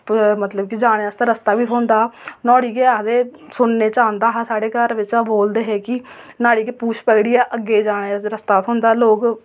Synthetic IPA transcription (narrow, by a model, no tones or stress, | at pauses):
mət̪ləbkid͡ʒaːɽ̃eːst̪eɾəst̪aːʋiːt̪ʰõːnd̪aːnɔːɽiːkeːad̪eː | sʊnːeːt͡ʃãːnd̪aːɦsaːɽeːkəɾʋɪt͡ʃːboːld̪eːɦɛːkɪnaːɽiːkeːpuːʃpɛːɽijaːʔəɡːeːd͡ʒaːɽ̃eːɾəst̪aːt̪ʰoːnd̪aːloːk